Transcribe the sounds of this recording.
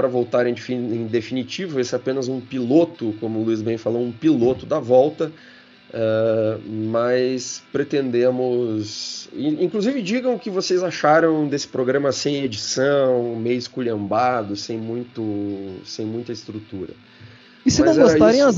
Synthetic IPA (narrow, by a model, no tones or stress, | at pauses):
ɾɐvowt̪aɾẽd͡ʒfiẽj̃d̪efinit͡ʃivʊesɪapẽnɐzũpilot̪ʊkõmʊluizbẽj̃falowũpilot̪ʊd̪ɐvɔwt̪ɐ | ɛ | mɐspɾet̪ẽnd̪ẽmʊsĩŋkluzivɪd͡ʒiɡɐ̃w̃ʊkɪvosejzaʃaɾɐ̃w̃d̪esɪ̥pɾoɡɾɐ̃mɐsẽj̃ed͡ʒisɐ̃w̃mejʊɪskuʎẽmbad̪ʊsẽj̃mũj̃t̪ʊsẽj̃mũj̃t̪ɐɪst̪ɾut̪uɾɐ̰ | isɪnɐ̃w̃ɛɡostaɾẽj̃